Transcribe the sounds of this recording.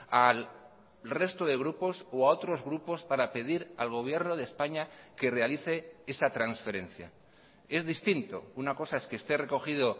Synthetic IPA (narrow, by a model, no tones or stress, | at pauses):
al | re̞st̪oðe̞ɣ̞ɾupo̞soao̞t̪ɾo̞zɣɾupo̞spaɾape̞ðiɾa̰lɣ̞o̞β̞je̞ɾno̞ð̞espaɲake̞re̞aliθe̞e̞sat̪ɾansfe̞ɾe̞nθja̰ | e̞zðist̪int̪o̞̰unako̞sae̞skest̪e̞re̞ko̞xiðo̞